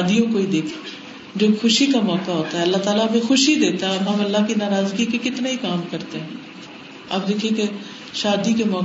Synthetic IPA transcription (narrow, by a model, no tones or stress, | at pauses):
d̪ijõkoid̪eːkʰe̥ | d͡ʒoːxʊʃikamɔːkaɦoːt̪aɦɛɐlːat̪aːlaɐmẽxʊʃɦid̪eːt̪aɦɛɦɐmɐlːakinaːɾaːzɡikekɪt̪naɦikaːmkɐɾt̪eɦɛ̃ː | ɐ̰bd̪eːkʰiẽke | ʃaːd̪ikemɔː